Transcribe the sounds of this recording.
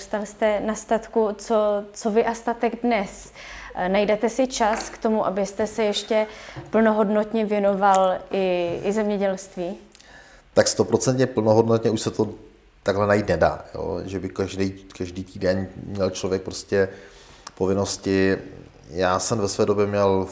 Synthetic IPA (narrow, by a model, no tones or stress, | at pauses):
ust̪alst̪ɛnast̪at̪kut͡sot͡sovɪʔast̪at̪ɛɡdnɛs | najdɛt̪ɛsɪt͡ʃaskt̪o̞muʔabɪst̪ɛsɛjɛʃcɛpl̩no̞ɦo̞dnot̪ɲɛvjɛno̞valʔɪɪzɛmɲɛɟɛlst̪viː | t̪akst̪opɾo̞t͡sɛnt̪ɲɛpl̩noɦodnot̪ɲɛuʃsɛt̪o | t̪aɡɦlɛnajiːt̪nɛda̰ːjo̰ːʒɛbɪkaʒdɛjkaʒdiːt̪iːdɛnmɲɛlt͡ʃlovjɛk̚pɾoscɛ | povɪno̞scɪ | jaːsɛmvɛsvɛːdobjɛmɲɛl